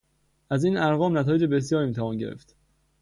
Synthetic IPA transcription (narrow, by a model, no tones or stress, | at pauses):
ʔæziːnæɾɣɒːmnæt̪ʰɒːjed͡ʒe̞be̞s̬jɒːɾimiːt̪ʰævɒːnɟe̞̰ɾḛft̪